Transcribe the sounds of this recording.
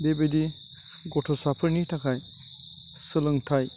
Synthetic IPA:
bebedi | ɡɔtʰɔsapʰɯɾnitʰakʰaj | sɯlɯŋtʰaj

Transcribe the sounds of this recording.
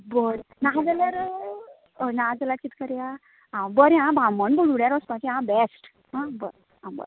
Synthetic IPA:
bəɽnad͡zəljaɾ | nad͡zəlakit̪kəɾja | ɦãbəɾjãbʱãmənbəɽuɽjaɾɔspãt͡ɕiɦãbɛsʈ | ɦãbə̰ɾ | ɦãbə̰ɾ

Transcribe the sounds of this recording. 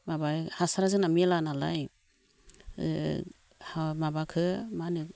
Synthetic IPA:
mabajhasaɾazɯnamilanala̰j | hamabakʰɯmanɯ

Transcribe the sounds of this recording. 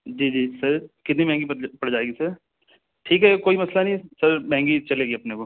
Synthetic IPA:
d͡ʒiːd͡ʒiːsɐɾkɪt̪nibɛɦɛ̃ŋɡipɐɽd͡ʒaːeːɡisɐɾ | ʈʰiːkɦɛkoːimɐslanɐɦĩsɐɾmɛɦɛ̃ŋɡit͡ʃɐleːɡiɐpneko

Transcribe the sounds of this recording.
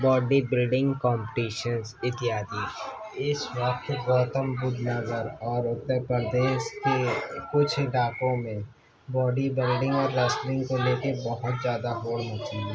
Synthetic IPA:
bɔːɖibɪlɖɪ̃ŋɡkɔ̃ːmpʈiːʃənzɪt̪ɪjaːd̪i | ɪswək̚t̪ɡɔːt̪əmbʊd̪ʱnɐzəɾɔːɾʊt̪epɾəɾd̪eːʃkekʊt͡ʃʰɪɖaːkõmẽ | bɔːɖibɪlɖɪ̃ŋɡɔːɾːɐslɪ̃ŋɡkoleːkebɐɦʊt̪zjaːd̪aɦoːlɦot͡ʃiɦɛ

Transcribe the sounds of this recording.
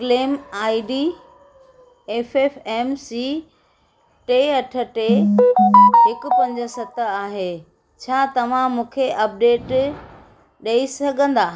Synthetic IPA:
kleːmaːiɖiː | eːfeːfɛːmsi | ʈeːɐʈʰə̆ʈeː | ɦɪkʊpɐ̃ɲd͡ʑə̆sɐt̪əaːɦeː | t͡ɕʰaːt̪ɐʋ̤ãmũːkʰeʔɐp̚ɖeːʈ | ɗɐisɐɡʱə̃nd̪aː

